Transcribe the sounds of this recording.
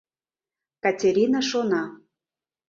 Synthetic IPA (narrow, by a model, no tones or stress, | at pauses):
katʲeɾʲinaʃonɑ